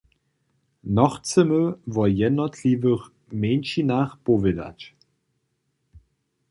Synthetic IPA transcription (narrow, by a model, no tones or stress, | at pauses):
nɔχt͡səməvɔjɛnɔtʰlivəχ | meːnʃinaːχpɔvɪda̰t͡ɕ